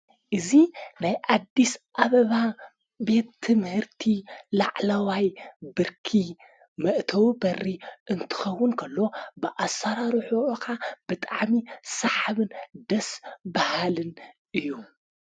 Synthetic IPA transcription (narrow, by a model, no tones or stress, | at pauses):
ʔɨzinajʔad̪ːisʔaβɐβa | be̞t̪ʰːɨmhɨɾt̪ʰilaʕlɐwajbɨɾkʰi | mɐʔt̪ʰɐwbɐrːiʔɨnt̪ʰɨ̥xɐwːʊnkʰɐlːo̞bɨʔasːɐɾaɾħukʰab̥ɨt̪ʼaʕmisaħaβɨnd̪ɐsbahalɨnʔɨjːu